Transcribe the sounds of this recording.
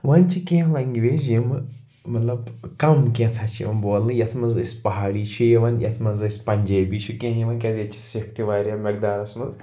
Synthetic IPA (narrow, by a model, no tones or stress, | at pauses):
ʋɐnt͡ʃʰikʲẽɦlɐŋɡiʋezjim | mɐt̪lɐbkɐmkʲẽt̪ʰat͡ʃʰjḭʋɐnboːlɨjɐt̪ʰmɐzɐsʲpɐɦaːɽiːt͡ʃʰujɐʋɐnjʔɐ̰t̪ʰmɐnzɐsʲpɐnʲd͡ʒɐːbiːt͡ʃʰukʲẽɦjiʋɐnkʲɐzjɐt͡ʃʰi̥sikʰt̪iʋaːɾʲjamɐk̚d̪aːɾɐsmɐz